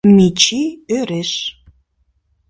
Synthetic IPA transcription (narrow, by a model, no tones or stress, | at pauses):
mit͡ɕiøɾeʃ